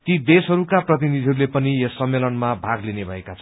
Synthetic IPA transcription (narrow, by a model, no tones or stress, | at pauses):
t̪id̪esɦʌɾukaprʌt̪̬inid̪ʱiɦʌɾulepʌnijesʌmːelʌnmabʱaɡlinebʱʌ̰ekat͡sʰʌ